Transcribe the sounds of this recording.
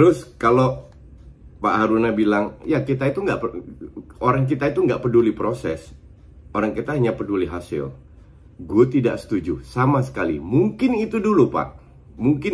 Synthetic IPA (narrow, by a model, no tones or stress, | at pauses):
t̪əɾʊskalo | paʔɦaɾunabilaŋjakit̪ait̪uŋɡa̰ʔp | oɾaŋk̬it̪ait̪uŋɡaʔpədulipɾosɛs | oɾaŋkit̪aɦaɲapəduliɦasɪ̰l | ɡuat̪ida̰ʔsə̥t̪ud͡ʒusamasə̥kalḭmuŋkɪnit̪udulupa̰ʔ | muŋkɪn